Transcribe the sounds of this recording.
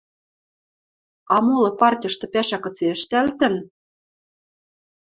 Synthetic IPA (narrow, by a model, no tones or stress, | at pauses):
ɑmolɤ̆pɑrtʲɤ̆ʃt̪ɤ̆pæʃækɤ̆t͡seɘʃt̪ælt̪ɘ̆n